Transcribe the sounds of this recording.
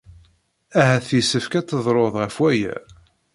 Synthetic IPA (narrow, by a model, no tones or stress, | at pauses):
æɦæθjisəfkæt͡sːəðˤɾˤoðˤʁəfwæjæ̰